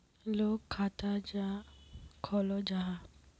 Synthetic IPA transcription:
lokʰːat̪ad͡ʒa | kʰɔlɔd͡ʒaɦa

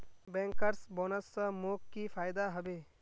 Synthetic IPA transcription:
bẽːŋkəɾsboːnəsːəmoːkːifʰaːjd̪aɦɐbeː

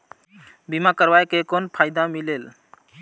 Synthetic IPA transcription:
bimakəɾbajkekonpʰajd̪amilel

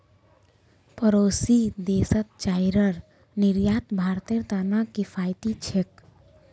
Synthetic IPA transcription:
pəɾosid̪esət̪̚t͡ʃajɾəɾ | niɾjat̪bʱaɾt̪eɾt̪anakipʰajt̪it͡ʃʰek̚

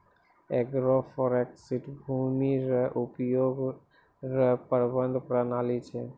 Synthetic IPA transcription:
eɡɾofɔɾeksiʈbʱumiɾəʔupjoɡ | ɾəpəɾbənd̪ʱpɾənalit͡ʃʰe

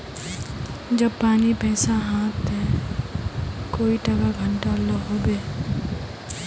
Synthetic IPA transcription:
d͡ʒəb̚paːnipɛ̃ːsãɦãːt̪ːɛ | koːiʈəɡaɡʱəɳʈaloɦoːbeː

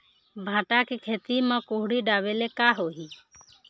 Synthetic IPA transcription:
bʱãːʈakikʰeːt̪imãkoːɦɽiɖaːbeːlekaːɦoːɦiː

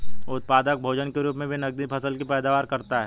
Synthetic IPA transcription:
ʊt̪̚paːd̪ək̚bʱoːd͡ʒənkeɾuːpmẽbʱinɐɡ̚d̪ipʰɐsəlkipɛːd̪aːʋaːɾkɐɾt̪aɦɛː

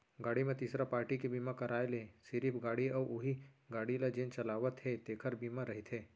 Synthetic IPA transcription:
ɡaːɽimẽt̪iːsɾapaːɾʈikebiːmãkɐɾaːelẽːsɪɾipʰɡaːɽiɔːʔʊɦiɡaːɽilad͡ʒẽnt͡ʃɐlaːʋət̪ɦet̪eːkʰəɾbiːmaɾɐɦit̪ʰɦeː

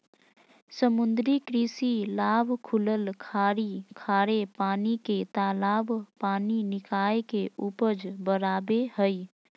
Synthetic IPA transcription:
səmʊnd̪ɾikɾisilaːbʱkʰuləlkʰaɾikʰaɾepaːniket̪alaːbʱpaːninɪkaekeʔupəd͡ʒbəɾaːbehəj

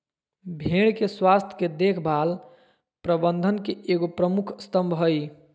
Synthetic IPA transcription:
bʱeɽkeswast̪ʰəked̪ekʰbʱal | pɾəbənd̪ʱənkeʔeɡopɾəmukʰst̪əmbʱɦəj

